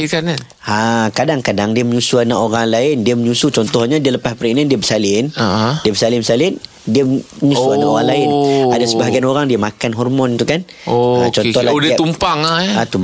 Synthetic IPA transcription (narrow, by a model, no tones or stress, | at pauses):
ikana | akadaŋkadaŋdiəməɲusuanaʔoɾaŋlaɪndiəməɲusut͡ʃɔnt̪ɔhɲadiələpaspəɾinandiəbəsalɪnadiəbəsalɪnmsalɪn | diəməɲusuanaʔoɣaŋlaɪnadasəbaɦaɡianoɾaŋdiəmakanɦɔrmɔnt̪ukan | oat͡ʃɔnɔhladt̪umpaŋaat̪um